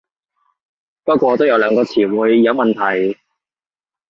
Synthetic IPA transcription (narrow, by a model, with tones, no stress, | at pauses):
pɐ˥t̚kʷɔː˧t̪o˥wjɐ˧wlœː˨˧ŋkɔː˧t͡sʰiː˨˩wuː˨˧jjɐ˨˧˥wmɐ˨nt̪ʰɐ˨˩j